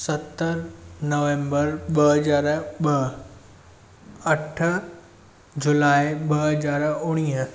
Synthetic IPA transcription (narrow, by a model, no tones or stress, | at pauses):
sɐt̪əɾnɐʋẽːmbəɾɓɐɦɐzaːɾɓɐ | ɐʈʰə̆ | d͡ʑʊlaːɪɓɐɦɐzaːɾʊɽ̃iːɦ